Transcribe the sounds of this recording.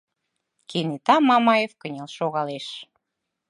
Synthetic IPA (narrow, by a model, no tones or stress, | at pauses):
kʰenit̪ɑmɑmɑjefkənʲelʃoɣɑleʃ